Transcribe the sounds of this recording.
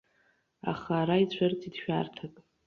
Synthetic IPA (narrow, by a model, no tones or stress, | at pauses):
a̰χaːɾait͡ɕʷʰart͡sʼidʃᶣa̰rtʰakʼ